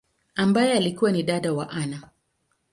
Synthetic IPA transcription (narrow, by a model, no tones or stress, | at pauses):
ambajɛalikuwaniɗaɗawa̰ʔana